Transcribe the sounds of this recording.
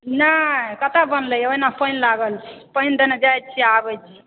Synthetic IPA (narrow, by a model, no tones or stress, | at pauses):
nakət̪abənləjoinapəjnlaɡəlt͡ʃʰi̥pəjnd̪enəd͡ʒajt̪̚t͡ʃʰiabət͡ʃʰi